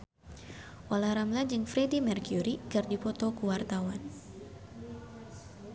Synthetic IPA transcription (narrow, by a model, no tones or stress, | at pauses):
ʔolahɾamlad͡ʒɨŋfɾedimɛrkjuɾikɨrdipɔt̪ɔkuwart̪awan